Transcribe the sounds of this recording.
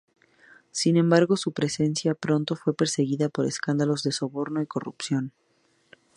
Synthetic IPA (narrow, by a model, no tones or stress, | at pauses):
sinẽ̞mbaɾɣo̞supɾe̞se̞nsjapɾo̞nt̪o̞fwe̞pe̞ɾse̞ɣiðapo̞ɾeskand̪alo̞zðe̞so̞βo̞ɾno̞iko̞rupsjo̞n